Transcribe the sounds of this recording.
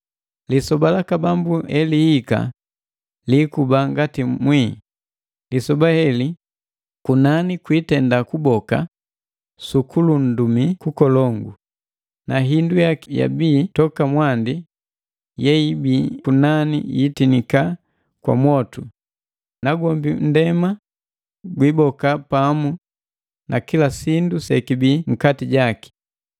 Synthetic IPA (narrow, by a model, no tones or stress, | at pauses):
lisɔbalakabambuhɛlihika̰ | likubaŋɡatimwi | lisɔbahɛli | kunanikwitɛndakubɔka̰ | sukʰulun̩dumikukɔlɔŋɡṵ | naɦindujakja̰biːtɔkamwandi | jɛibiːkunanḭjitinika | kwa̰mwɔtu | naɡɔmbin̩dɛma | ɡwibɔkapamu | nʔakilasindusɛkibiŋ̩katiɟaki̥